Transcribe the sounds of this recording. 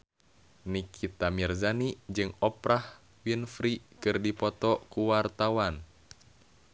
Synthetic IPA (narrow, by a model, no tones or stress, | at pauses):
nikʰit̪amirzanid͡ʒɨŋɔpɾʔah | winfɾikɨrdipɔt̪ɔkuwart̪awan